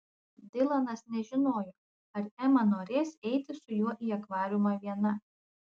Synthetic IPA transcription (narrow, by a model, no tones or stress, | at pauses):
d̪ʲɪlˠɐnɐsnʲɛʒʲɪnoːjoː | ɐɾɛmɐnoːɾʲeːsʲɛɪt̪ʲɪsʊjuɔʔiːɐkʋɑːɾʲʊmɑʋʲiɛnɐ